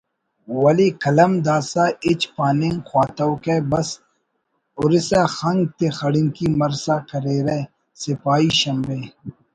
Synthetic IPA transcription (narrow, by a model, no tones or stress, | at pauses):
wɐlikɐlɐmd̪aːsaːɪt͡ʃpaːniŋxwaːt̪ɐwkebɐs | ʊɾɪsaxɐŋɡ̚t̪exɐɽɪŋkimɐɾsaːkɐɾeːɾe | sɪpaːiʃɐmbeː